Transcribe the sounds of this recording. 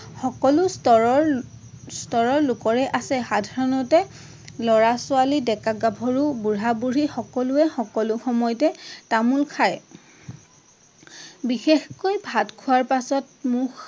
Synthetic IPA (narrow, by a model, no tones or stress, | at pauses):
xɔkɔlʊstɔɹɔɹ | stɔɹɔɹlʊkɔɹɛʔasɛxadʱaɹɔnɔtɛ | lɔɹasʊalidɛkaɡabʱɔɹubuɹabuɹixɔkɔlʊɛxɔkɔlʊxɔmɔjɔtɛtamulkʰaj | bixexkojbʱatkʰʊaɹpasɔt̚mʊx